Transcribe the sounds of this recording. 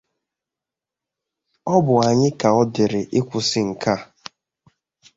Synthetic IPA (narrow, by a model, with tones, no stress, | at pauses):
ɔ˦bʊ˨a˨ɲɪ˦ka˨ɔ˦dɪ˨ɾɪ˨ʔɪ˦kʷʊ˨sɪ˦ŋ̩˨ka˦˨